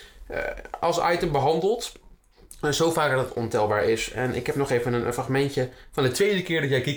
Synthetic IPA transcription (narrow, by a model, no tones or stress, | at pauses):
ɑ̰lˠsɑ̰jtəmbəɦɑndəlˠt | sowfaːɡ̚ətɔ̰ntɛlˠbaːɹɪsɛ̰nʔɪ̰kɦɛp̚nɔχejvənənfraχmɛntjəfɑndətʋejdəkɪːɹdɑtjɛjki